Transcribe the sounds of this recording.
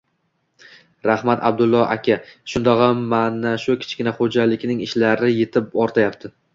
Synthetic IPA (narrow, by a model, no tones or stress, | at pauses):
ɾahmat̪ʰa̰b̚d̪ʊlˠːɒʔa̰kʲʰaʃʊnd̪ɒʁɑmːanaʃʊkʲʰɪ̥t͡ʃʰkʲɪnaχod͡ʒalɪkʲnɪŋɪʃlaɾɪjet̪ʰɪp̚ɒɾt̪ʰajap̚t̪ʰɪ